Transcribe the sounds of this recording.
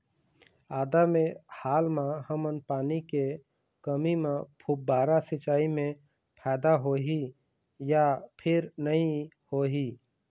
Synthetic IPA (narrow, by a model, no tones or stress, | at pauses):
aːd̪amẽhaːlmaɦəmənpaːnike | kəmimẽpʰubaːɾasɪt͡ʃaːimẽ | pʰɛːd̪aɦoːɦi | japʰɪɾnəĩ | hoːɦi